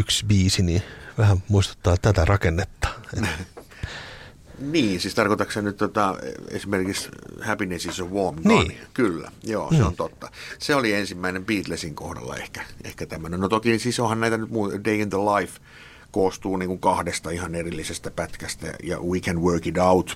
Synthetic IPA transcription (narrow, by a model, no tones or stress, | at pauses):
yksbiːsiniʋæhæmmuist̪u̥t̪ːɑːt̪æt̪ærɑkenːet̪ːɑ̥ːe | niːnsiːst̪ɑrkoit̪ɑksennyt̪t̪ot̪ɑḛsimerkikshæpinesisoʋʋomniːkylːæ̰jo̰ːseont̪ot̪ːɑseoliensimːæinempiːt̪lesiŋkohdɑ̰lːɑ̰ḛhkæ̥ḛhkæt̪æmænonot̪okinsisohɑnnæit̪ænyt̪muːdeiinðəlɑif | koːst̪uːniːŋkuŋkɑhdest̪ɑihɑnerilːisest̪æpæt̪kæst̪æ̰jɑ̰wikænwøːkidɑut̪